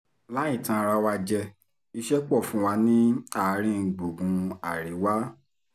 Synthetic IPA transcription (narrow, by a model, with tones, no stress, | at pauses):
la˦ĩ˦˨tã˧ɾa˧wa˧d͡ʒɛ˧ | i˧ʃɛ˦k͡pɔ˦˨fũ˦wa˧˦nĩ˦a˦˨˦ɾ̃ĩ˦˨ɡ͡bo˨ɡũ˨˧a˨ɾi˨˦wa˦